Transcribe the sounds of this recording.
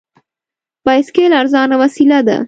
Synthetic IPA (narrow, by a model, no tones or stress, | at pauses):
paɪskeːlɐɾzɑːnaʋɐsilad̪a̰